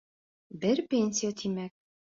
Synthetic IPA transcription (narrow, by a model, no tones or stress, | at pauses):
bɘɾpʲenʲsʲijat̪ʰimæk̚